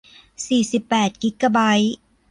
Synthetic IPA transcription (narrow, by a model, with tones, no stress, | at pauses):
siː˨˩si˨˩pːɛː˨˩t̪̚ki˦˥kːa˧ba˦˥j